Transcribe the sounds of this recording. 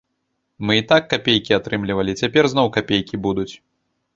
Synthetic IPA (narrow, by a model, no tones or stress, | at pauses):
mɨit̪akːapʲejkʲiat̪ɾɨmlʲivɐlʲit͡sʲapʲɛrznɔwkapʲejkʲibud̪ut͡sʲ